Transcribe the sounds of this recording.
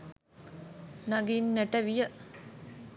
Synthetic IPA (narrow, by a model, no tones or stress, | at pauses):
naɡinːeʈɐʋijə